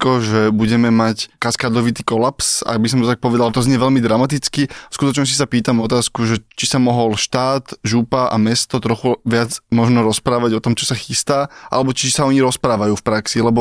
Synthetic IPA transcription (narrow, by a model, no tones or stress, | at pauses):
kɔʒɛbuɟɛmɛmackaskaːd̪lɔʋit̪iːkɔlapsa̰ɡ̚bis̬ɔmt̪ɔt̪ak̚pɔʋɛd̪alt̪ɔzɲɛʋɛʎmid̪ɾamat̪it͡skiskut̪ɔt͡ʃɲɔs̬isapiːt̪amɔt̪aːskuʒɛt͡ʃisamɔɦɔlʃt̪aːt̪ʒupaʔa̰mɛst̪ɔt̪ɾɔxuʋɪad͡zmɔʒnɔɾɔspɾaːʋaɟɔt̪ɔmt͡ʃɔsaxist̪aːʔa̰lɛbɔt͡ʃisaɔɲiɾɔspɾaːʋajuːfpɾaksilɛbɔ